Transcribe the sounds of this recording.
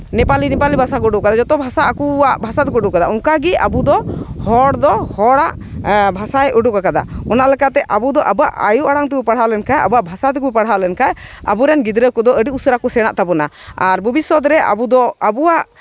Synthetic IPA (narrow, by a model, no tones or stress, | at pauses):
nɛpalinipalibʱasakɔɖuʔkad̪ad͡ʒɔt̪ɔbʱasaakuaʔbʱasad̪ɛkɔɖuʔkad̪aʔukaɡia̰bud̪ɔhɔɽd̪ɔhɔɽaʔ | bʱasajʔuɖuʔkakad̪a̰ɔnalɛkat̪ɛʔabud̪ɔʔabaʔa̰juʔaɽaŋt̪ɛbupaɽ̤alɛnkaja̰buaʔbʱasad̪ɛkubipaɽɦalɛnkaja̰buɾɛnɡid̪ɾəkɔd̪ɔəɖiusəɾakɔsɛɽ̃a̰ʔt̪abɔna | aɾbʱubisɔt̪ɾɛa̰bud̪ɔabuaʔ